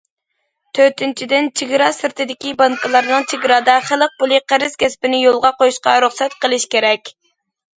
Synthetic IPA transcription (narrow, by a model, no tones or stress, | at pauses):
t̪ʰøɾt̪ʰɪnt͡ʃʰid̪ɪnt͡ʃʰiɡʲɾɑsɨɾt̪ʰɨd̪ɪkʲibɑŋkʰɨlˠɑɾnɨŋt͡ʃʰiɡʲɾɑːd̪ɑχəlˠəq̚pʊlˠɨqʰæɾɪzkʲɛspɪnɪjolˠʁɑqojuʃqɑ̰ɾuχsɛt̪qəlˠɪʃkʲeɾɛkʲ